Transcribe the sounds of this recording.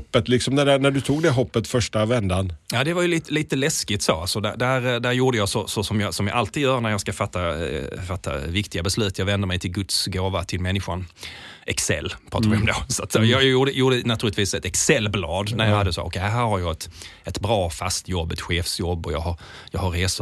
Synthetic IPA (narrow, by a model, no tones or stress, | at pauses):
pːət̪lɪksɔmnæɖænæɖɵt̪ʰuːɡd̪ɛɦɔpːət̪fœʂʈavɛnd̪anjɑːd̪ɛvajɵliːt̪əliːt̪əlɛskɪt̪soːalsɔd̪æ̰d̪æɾd̪æɾjuːɖəjɑːsɔsɔsɔmjɑːsɔmjɑ̰ɡʔalt̪iːd̪jœːɾnæɾjɑɡskafat̪ːafat̪ːa̰vɪkt̪ɪɡabɛslʉ̟ːt̪jɑːɡvɛnd̪əɾmɛɪjt̪ʰɪlɡɵt̪sɡoːvat̪ʰɪlmɛnːɪɧanʔɛksɛ̰lːpʰɾɑːt̪aɾvɪɔmd̪ɛsat̪sɛjɑːjuːɖəjuːɖənat̪ʰʉɾlɪt̪viːsɛt̪ɛksɛlːblɑːd̪næɾjɑhad̪ːəso̰ːʔɔ̰kʰɛd̪ɦæːɾhaɾjɑːɛt̪ɛt̪bɾɑːfast̪jɔbːɛt̪ɧeːfsjɔbːɔjɑ̰ɡɦaɾ | jɑːɡhaɾːeːsʊ